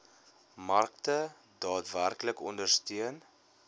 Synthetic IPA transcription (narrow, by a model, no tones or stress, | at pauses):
mɐrktə | dɑːtværkləkɔndərstiən